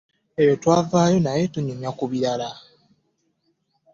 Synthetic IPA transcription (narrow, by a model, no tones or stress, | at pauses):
e̞jo̞twaːvaːjo̞naje̞tuɲumjakuβiɾala